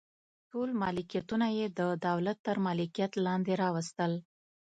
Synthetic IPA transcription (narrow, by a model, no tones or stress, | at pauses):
ʈolmɑlɪkijat̪unajed̪əd̪awlat̪ːəɾmɑlɪkijat̪lɑnd̪eɾɑwəst̪əl